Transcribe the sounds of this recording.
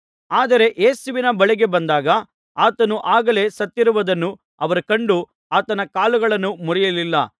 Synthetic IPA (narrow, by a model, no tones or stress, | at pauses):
aːd̪ɐɾe̞ʔeːsuʋinɐbɐɭiɡe̞bɐnd̪aːɡɐ | aːt̪ɐnuʔaːɡɐle̞ːsɐt̪ːiɾuʋɐd̪ɐnːu | ɐʋɐɾukɐɳɖu | aːt̪ɐnɐkaːluɡɐɭɐnːumuɾijɐlilːɐ